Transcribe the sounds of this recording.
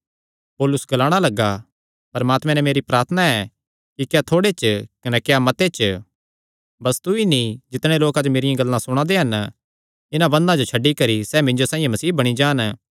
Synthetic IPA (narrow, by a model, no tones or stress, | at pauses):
poːlʊsɡɐlaːɽ̃alɐɡa | pɐɾmaːt̪mɛ̃nɛmeːɾipɾaːɾt̪ʰənaɛ | kikjat̪ʰoːɽet͡ʃkɐnɛkejamɐt̪et͡ʃ | bɐst̪uinĩd͡ʒɪt̪ɽ̃ẽloːkad͡ʒomeːɾɪjãɡɐlːãsʊɽ̃ãd̪eɦɐn | ɪnãbɐ̃nd̪ãd͡ʒot͡ʃʰɐɖːikɐɾisɛːmɪ̃nd͡ʒosãːĩẽmɐsiːbɐɽ̃id͡ʒaːn